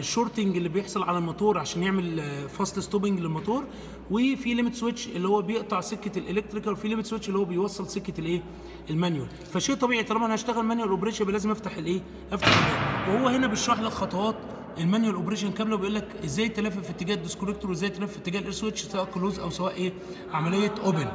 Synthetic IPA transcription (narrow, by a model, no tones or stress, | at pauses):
eʃːoɾˤt̪eŋɡelːibejeħsˤɑlʕalælmɑt̪ˤɑːɾˤʕaʃæːnjeʕmelfɑsˤlest̪oːbeŋɡlelmɑt̪ˤɑːɾˤ | wefilemet̪swet͡ʃːʔelːihowːæbejeʔt̪ˤɑʕsekːæt̪elʔelek̚t̪ɾikæwefilemet̪swet͡ʃːʔelːihowːæbejwɑsˤːelsekːæt̪elʔeː | ʔelmænjwæl | fæʃeːʔt̪ˤɑbiːʕit̪ˤɑlɑmæʔænhæʃt̪æɣælmænjuwælʔobɾeːʃjæbelæːzemʔæft̪aħelʔeː | ʔæft̪aħelʔæwehowːæhenæbeʃɾˤɑːħlelxɑt̪ˤɑwɑːt̪ | ʔelmænjwælʔobɾeːʃ̬ænkæblæwebeʔuːlːækʔezːæːjt̪ːælæːfæfiet̪ːeɡæːhd̪eskoɾek̚t̪oɾwʔezːæjt̪ælæːfæfet̪ːeɡæːhlʔeɾswet͡ʃːsæwæːʔkːoloːzʔæwsæwæːʔʔeː | ʕamælejːæʔoben